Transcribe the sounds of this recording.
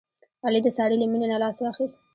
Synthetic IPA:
ɑlid̪əsɑɽiləminenalɑswɑxist̪

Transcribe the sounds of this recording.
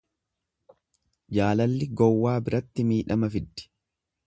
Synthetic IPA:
d͡ʒaːlɐlːɪɡɔwːaːbɪɾɐt̪ːɪmiːᶑɐmɐfɪd̪ːɪ̥

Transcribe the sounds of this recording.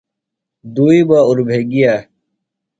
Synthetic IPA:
d̪uːiːbaːuɾbʱeːɡijaː

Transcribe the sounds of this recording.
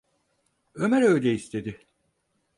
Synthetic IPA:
ømɛɾøjlʲeist̪ʰe̞d̪ɪ

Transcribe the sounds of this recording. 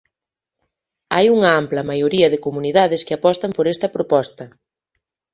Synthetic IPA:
ajuŋɐamplɐmajoɾiɐðɪkomuniðaðɪskɪapɔst̪ɐmpoɾɛst̪ɐpɾopɔst̪ɐ

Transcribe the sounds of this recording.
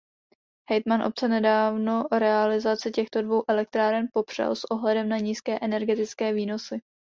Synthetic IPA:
hɛjt̪manʔo̞p̚t͡sɛnɛdaːvno̞ɾɛalɪzat͡sɪcɛxt̪o̞dvo̞wʔɛlɛk̚t̪ɾaːɾɛnpo̞pr̝̥ɛ̰lsʔo̞ɦlɛdɛmnaɲiːskɛːʔɛnɛɾɡɛt̪ɪt͡skɛːviːno̞sɪ

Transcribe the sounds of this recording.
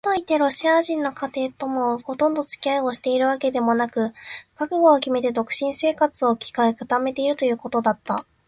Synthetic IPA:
t̪o̞it̪e̞ɾo̞ɕiaʑĩnːo̞kʰat̪e̞ːt̪o̞mo̞ho̞t̪õ̞nd̪o̞t͡sɨ̥kʲiaio̞ɕi̥t̪e̞iɾɯ̟βake̞d̪e̞mo̞nakɯ̟kakɯ̟ɡo̞ːkʲime̞t̪e̞d̪o̞kɯ̟̥ɕĩɰ̃se̞ːkat͡sɨo̞kʲi̥kaekɯ̟t̪ame̞t̪e̞iɾɯ̟t̪o̞jɯ̟ːko̞t̪o̞d̪at̪ːa

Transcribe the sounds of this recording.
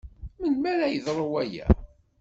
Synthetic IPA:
mənmæɾæjəðɾˤəwæjæ̰

